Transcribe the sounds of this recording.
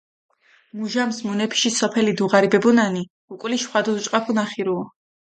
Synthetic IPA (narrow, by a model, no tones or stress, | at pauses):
muʒamsmunɛpʰi̥ʃisɔpʰɛlid̪uʁaɾibɛbunani | ukʼwliʃχwad̪ɔut͡ʃʼqʼapʰunaχiɾuɔ